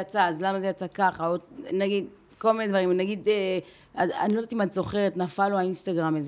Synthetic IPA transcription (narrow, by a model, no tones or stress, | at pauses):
jat͡saːzlamazejat͡sakaχaonaɡid̪ | ko̞lminedvaʁimnaɡid̪e | aa̰nilo̞d̪at̪imat̪zo̞χe̞ʁet̪nafaloainst̪aɡʁamez